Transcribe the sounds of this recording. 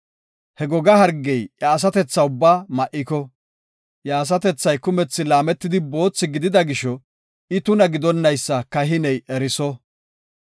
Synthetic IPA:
hɛɡɔɡɐɦɐɾɡːɛjjaːs̬ɐt̪ɛt͡sːɐʊbːaːmɐʔɪkɔ | jaːs̬ɐt̪ɛt͡sːɐjkʊmɛt͡sːɪlaːmɛt̪ːɪd̪ɪbo̞ːt͡sːɪɡɪd̪ɪd̪ɐɡɪʃɔ | ɪt̪ʊnɐɡɪd̪ɔnːɐjsːɐkɐɦɪnɛjɛɾɪsɔ

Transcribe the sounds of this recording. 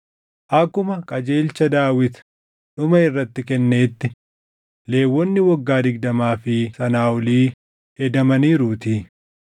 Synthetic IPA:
ʔɐkːʊmɐkʼɐd͡ʒe̞ːlt͡ʃːɐd̪aːwɪt̪ | ᶑʊmɐɪrːɐt̪ːɪkɛnːe̞ːt̪ːɪ | le̞ːwːɔnːɪwɐɡːaːd̪ɪɡ̚d̪ɐmaːfɪsɐnaːwɔliː | hɛd̪ɐmɐniːɾut̪iː

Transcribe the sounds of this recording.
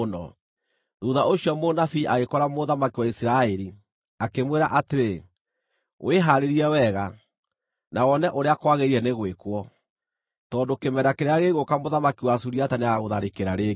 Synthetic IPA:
nɔ̰ | nuðaoɕiɔmonafiʔaɣekɔɾamoðamakiwaisiɾaɛɾi | akemweɾaʔateɾe | wʔeɦaɾeɾiɛwɛɣa | nawɔnɛʔoɾeakwaɣeɾiɛneɣwekwɔ | tɔːndokemɛɾdakeɾeaɣeɣokamoðamakiwasuɾiataneaɣaɣoðaɾekeɾaɾe

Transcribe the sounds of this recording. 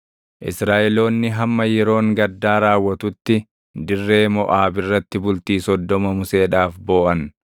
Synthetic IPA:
ʔɪsɾaːʔɛlo̞ːnːɪɦɐmːɐjɛɾo̞ːŋɡɐd̪ːaːɾaːwːɐt̪ʊt̪ːɪ | d̪ɪrːe̞ːmɔʔaːbɪrːɐt̪ːɪbʊlt̪iːsɔd̪ːɔmɐmʊse̞ːᶑaːfbo̞ːʔɐn

